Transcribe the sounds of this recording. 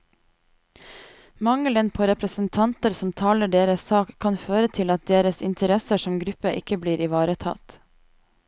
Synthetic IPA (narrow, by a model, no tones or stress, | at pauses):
mɑŋələnpʰoːɾɛpɾəsən̩t̪ʰɑnt̪əɾsɔmt̪ʰɑːləɖeːɾəsɑːkʰkɑnføːɾət̪ʰɪlɑt̪̚d̪eːɾəsɪ̰nt̪ʰəɾɛsəʃɔmɡɾʉpəʔɪkəbliːɾɪʋɑːɾət̪ʰɑ̰t̪